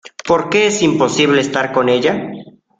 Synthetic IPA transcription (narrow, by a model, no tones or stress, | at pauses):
po̞ɾke̞esimpo̞siβle̞eːst̪aɾko̞ne̞ʝa